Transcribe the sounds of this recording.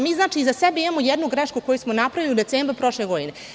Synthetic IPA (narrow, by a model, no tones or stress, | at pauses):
miːznaːt͡ʂiːzasebeimamojɛd̪nuɡɾeʃkuko̞jusmonapɾaʋiliud̪e̞t̪seːmbɾpɾo̞ʃleɡo̞d̪ine